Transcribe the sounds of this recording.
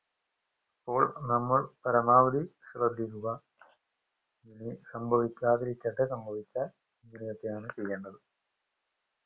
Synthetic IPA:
ipːo̞ːɭnɐmːɐɭpɐɾɐmaːʋɐd̪isrɐd̪ʱːiɾuɣɐ | ninisɐmbʱɐʋikʲːaːðɐɾikʲːɐʈːesɐmbʱɐʋikʲːaːl | inːinijɐt̪ːejaːɳɨt͡ɕejːeɳːɐðɨ

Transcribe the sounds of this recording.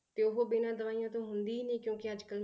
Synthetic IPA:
t̪eːʊɦoːbɪnãːd̪əʋaːijãːt̪õːɦʊnd̪iːnẽːkjõːkɪəd͡ʒkəl

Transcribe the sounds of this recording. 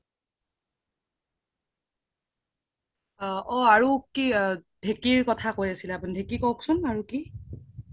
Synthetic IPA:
ɔaɹukidʱekiɹkɔtʰakojasilɛapundʱekikɔksʊnaɹuki

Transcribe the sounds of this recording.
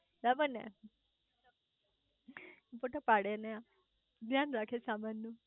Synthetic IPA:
ɾabəna̰ | poʈəpaɽenja | ɡjanɾakʰesamanːə

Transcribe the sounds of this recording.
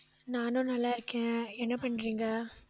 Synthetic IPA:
naːnõːnɐlːaɪɾɯkːẽːɛnːɐpɐɳːɾiːŋɡaː

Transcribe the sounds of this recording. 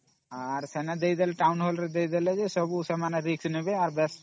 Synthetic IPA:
aɾsɛnɛd̪ejd̪ɛlɛʈawnɦɔlɾɛd̪ejd̪ɛlɛd͡ʒɛsɔbusɛmaneɾiksnibeaɾbɛs

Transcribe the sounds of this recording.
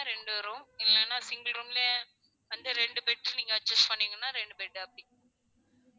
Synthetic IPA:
aɾɛɳɖɯʋɐɾũɪlːɛnːaːsɪŋɡlɾuːmɪle | ɐnd̪ɐɾɛɳɖɯpɛʈːɯniːŋɡɐɐʈ̚t͡ʃɐsʈpɐɳːiːŋɡɐnːaːɾɛɳɖɯbɛːʈːɯɐpːɽĩ

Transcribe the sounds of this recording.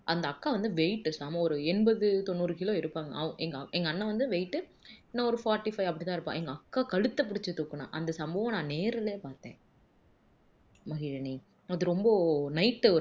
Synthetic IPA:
ʔɐnd̪ɐːkːaːʋɐnd̪ɯʋɛɪʈːɯsaːmɐɔɾɯɛnbɐðɯt̪ɔnːuːɾɯkɪloːɪɾɯpːaːŋɡɐ̰ʔɐɐʔɛŋɡɐɛŋɡɐːnːɐ̃ʋɐnd̪ɯʋɛɪʈːɯnãɔɾɯfaːɾʈːifɐɪɐpːɐɽɪt̪ãːɪɾɯpːã̰ːɛŋɡɐɐkːaːkɐɻɯt̪ːɐpːɪɽɪt͡ʃːɯt̪ʊkːɯnã̰ːʔɐ̰nd̪ɐsɐmbɐːʋɐ̃nãːneːɾɪleːpaːɾt̪ḛ̃ː | mɐɣɪɻɐni | ɐðɯɾɔmbɐnɐɪʈːɯɔ

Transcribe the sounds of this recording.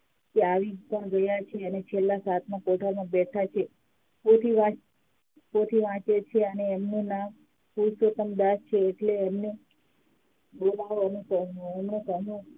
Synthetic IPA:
keaʋipãɡəjat͡ʃʰeənet͡ʃʰelːasat̪ʰmãkoʈʰamãbɛʈʰat͡ʃʰe | pot̪ʰiʋãt͡ʃ | pot̪ʰiʋãt͡ʃet͡ʃʰeəneːmnũna | pusot̪əmd̪aʃt͡ʃʰeːʈleːmne | bolaʋanũkənũɛmnũk̪ənũ

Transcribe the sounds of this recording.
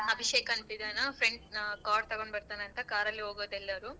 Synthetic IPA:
ɐbʱiʃeːkɐːnt̪id̪ɐnɐpɾeɳɖkaːɾt̪ɐɡoɳɖbɐɾt̪aːneɐnt̪ɐkaːɾɐlːiɦoːɡoːd̪ɛlːɐɾu

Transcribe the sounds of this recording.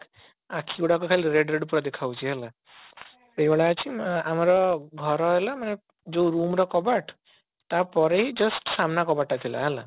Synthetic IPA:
akʰiuɽakukʰalɾeɖɾeɖpɔɾɔd̪ekʰawt͡ʃʰiɦela | ebeɭaːt͡ʃʰiamaɾɔɡʱɔɾɔɦelamane | d͡ʒewɾumɾɔkɔbaʈ | t̪apɔɾeɦid͡ʒʌsʈsamnakɔbaʈat̪ʰila̰ɦela̰

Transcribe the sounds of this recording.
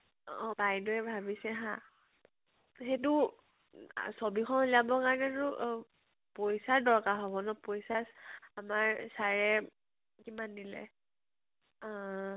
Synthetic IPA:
ɔ̃bajdɔɛbʱabisɛɦã | xet̬ʊ̰ | sobikʰɔnoliabɔkaɹnɛɹʊ | pojsaɹdɔɹkaɦɔbɔnɔpojsasamaɹsaɹɛ | kimandilɛ̰

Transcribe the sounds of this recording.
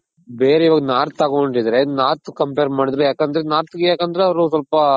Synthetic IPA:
beːɾeiʋaːɡɐnaːɾt̪aːɡoɳɖid̪ɐɾenaːɾt̪ukɐmpeːɾmaːɽid̪ɾujaːkɐnd̪ɐɾenaːɾt̪ɡejaːkɐnd̪ɐɾeɐʋɐɾus̬wɐlpɐ

